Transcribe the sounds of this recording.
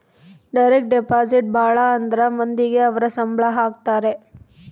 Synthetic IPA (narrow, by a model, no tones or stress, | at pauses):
ɖɐɪɾek̚ʈ̚ɖɛpaːsɪʈ̚baːɭaɐnd̪ɾamɐnd̪ɪɣeɐʋɐɾɐsɐmbɭaɦaːk̚t̪aːɾe